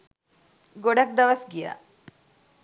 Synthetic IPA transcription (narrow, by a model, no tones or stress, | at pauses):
ɡoɽɐk̚d̪ɐʋɐsɡija̰